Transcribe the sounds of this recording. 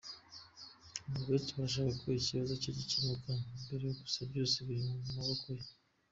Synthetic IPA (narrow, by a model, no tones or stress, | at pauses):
muβetuβaʃ̬aβakʰoiciβazociɾicinukanmbe̞ɾe̞joɡu̥sabɟo̞ːseβiɾimoumaβakʰoje